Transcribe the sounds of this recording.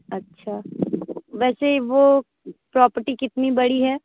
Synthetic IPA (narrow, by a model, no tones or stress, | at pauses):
ɐtːʃʰaː | ʋɛːseʋo | pɾɔːpəɾʈikɪt̪nibɐɽiɦɛː